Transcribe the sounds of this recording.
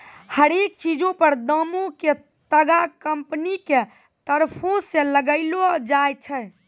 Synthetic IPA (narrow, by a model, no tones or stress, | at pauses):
həɾek̚t͡ʃid͡ʒõpəɾd̪əmõke | t̪əɡakəmpnike | t̪əɾpʰõsẽləɡəɪlod͡ʒajt͡ʃʰɛ